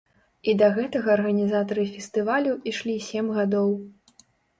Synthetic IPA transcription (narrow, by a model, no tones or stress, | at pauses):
id̪ɐɣɛt̪ɐɣɐːrɣɐnʲizat̪ɐɾɨfʲɛst̪ɨvalʲuʔiʂlʲisʲemɣad̪ɔw